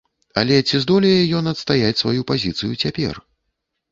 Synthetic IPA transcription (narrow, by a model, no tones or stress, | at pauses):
a̰lʲɛt͡sʲizd̪ɔlʲɛjɛjɔnɐt̪st̪ajat͡sʲsvajupazʲit̪sɨjut͡sʲapʲɛ̰r